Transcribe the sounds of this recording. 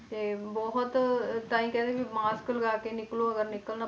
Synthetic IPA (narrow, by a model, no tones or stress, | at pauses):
t̪eːbɔɦʊt̪taːĩkɛ̃ːd̪ekimaːskəlɡaːkenɪkloɐɡəɾnɪkəlna